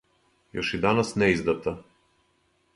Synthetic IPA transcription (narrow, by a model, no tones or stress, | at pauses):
jɔʃid̪anasnɛizd̪at̪a